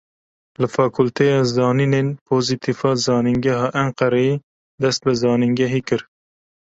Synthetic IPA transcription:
lɨfɑːkʰʊlt̪ʰejɑːzɑːnineːnpʰoːzit̪ʰifɑːzɑːnɪŋɡæɦɑːʔæɴqɑɾɛji | d̪ɛst̪̚bɨzɑːniŋɡɛɦiːkɨɾ

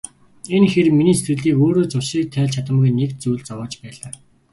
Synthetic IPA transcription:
enxerminiːsruːɮiːkoːɾoːt͡sʊʃiːk̚t̪ʰæːɮt͡ɕʰat̪ə̆mɡujnekt͡sujɮt͡sɔwɔːt͡ɕpæːɮaː

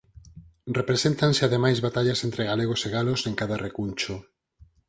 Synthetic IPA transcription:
repɾesent̪ansɪaðemajzβat̪aʎasent̪ɾeɣaleɣ̞oseɣaloseŋkaðarʔekunt͡ʃʊ

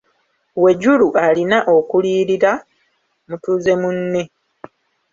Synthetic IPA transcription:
we̞ɟuluʔalinaʔo̞kuliːɾiɾa | mutuze̞munːe

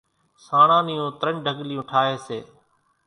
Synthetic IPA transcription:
saːɽãːnɪjõːt̪ɾəɳɖʱəɡlɪjũːʈʰaːɦeːseː

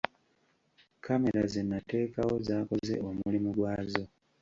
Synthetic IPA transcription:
kʰame̞ɾazenːate̞ːkawo̞zaːko̞ze̞̰omulimuɡwaːzo̞

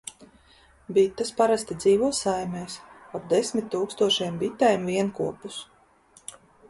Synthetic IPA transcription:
bit̪ːaspaɾast̪id̪ziːvuɔsajmɛːsap̚d̪esmʲit̪ːuːkst̪uɔʃɛjɛmbit̪ːɛjmviɛnkuɔpus

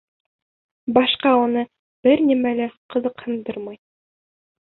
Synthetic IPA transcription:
bɑʃqɑunɤ | bɘɾnimælæqɤ̆zɤqhɤ̆nd̪ɤɾmɑj

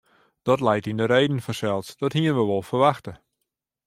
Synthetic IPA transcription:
d̥ɔtlɛjtindəɾejdn̩fɔsɛlˠsd̥ɔthiənʋəʋɔlˠfərʋaxtə

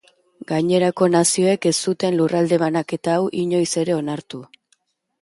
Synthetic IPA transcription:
ɡajɲe̞ɾako̞nasio̞e̞ke̞st̪ut̪e̞nlurald̪e̞βanake̞t̪aːwʔiɲo̞jse̞ɾe̞o̞naɾt̪u

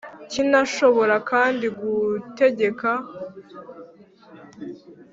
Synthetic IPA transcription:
cinaʃo̞βo̞ɾakaːndiɡute̞ɟe̞ka

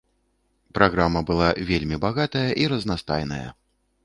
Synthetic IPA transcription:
pɾaɣɾamɐbɨlˠavʲelʲmʲibaɣat̪ɐjɐʔiɾɐznast̪a̰jnɐjɐ̰

